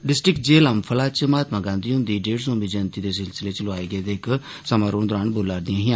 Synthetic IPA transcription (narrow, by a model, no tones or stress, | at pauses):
ɖɪsʈɾɪkd͡ʒeːləmpʰəlaːt͡ʃmaːt̪mãːɡãːnd̪iːɦʊ̃nd̪iːɖeːɽsõːmbiːd͡ʒənt̪iːd̪eːsɪlsɪleːt͡ʃlʊaːeːɡeːd̪eːɪk | səmaːɾoːɳd̪ʊɾaːnbolːaːɾd̪ɪjãːɦɪ̃ː